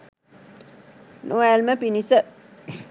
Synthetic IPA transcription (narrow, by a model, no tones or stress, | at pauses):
noɛlməpinisə